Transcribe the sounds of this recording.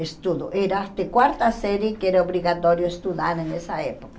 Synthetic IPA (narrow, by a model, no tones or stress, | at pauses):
est̪uðoʔeɾat̪ekwaɾt̪aseɾjekeɾaoβɾiɣat̪oɾjoest̪uðaɾenesaepoka